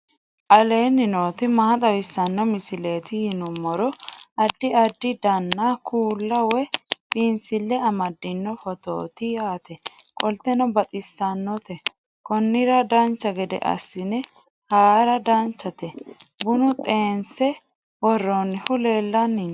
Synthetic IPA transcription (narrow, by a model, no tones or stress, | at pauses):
ʔɐle̞ːnːɪnoːt̪ɪmaːt̪ʼɐwɪsːɐnːɔmɪsɪle̞ːt̪ɪjɪnʊmɔɾɔɐd̪ːɪɐd̪ːɪd̪ɐnːakʰuːlːɐwɛpʼɪnsɪlːɛɐmɐd̪ːɪnːɔfɔt̪o̰ːt̪ɪjaːt̪ɛ | kʼɔlt̪ɛnɔbɐt̪ʼɪsːɐnːɔt̪ɛ | kɔnːɪɾɐd̪ɐnt͡ʃːɐɡɛd̪ɛ̰ʔɐ̰sɪnɛ | haːɾɐd̪ɐnt͡ʃːɐt̪ɛbʊnʊt̪ʼe̞ːnsɛ | wɔrːonːɪhʊle̞ːlːɐnːɪ